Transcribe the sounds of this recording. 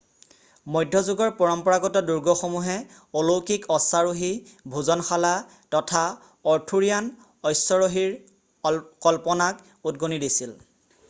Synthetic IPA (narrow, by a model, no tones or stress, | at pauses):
mɔjdʱːɔzuɡɔɹpɔɹɔmpɔɹaɡɔtɔduɹɡɔxomuɦɛ | olowkikɔsaɹoɦi | bʱuzɔnxala | tɔtʰa | ɔɹtʰuɹijan | ɔjsːɔɹoɦiɹ | kɔlpɔnak | ud̚ɡonidisil